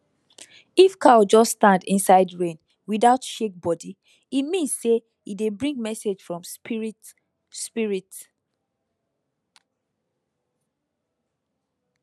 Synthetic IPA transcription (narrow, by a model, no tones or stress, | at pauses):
ifkad͡ʒɔstãndĩnsaɪdɹẽn | wiðaʊtʃek̚bɔdi | imĩnsse | idebɹĩŋɡ̚mɛsed͡ʒfɹɔ̃m | spiɹit